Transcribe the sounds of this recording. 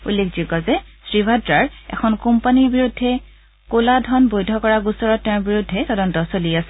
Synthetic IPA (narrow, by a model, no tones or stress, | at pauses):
ṵlːekʰd͡ʒikɔzɛsɹibʱadɹaɹɛ̰kʰɔnkumpaniɹbiɹudʱːɛ | koladʱɔnbojdʱɔkɔɹaɡusɔɹɔtːɛ̃ɹbiɹudʱːɛtɔdɔntɔsoliasɛ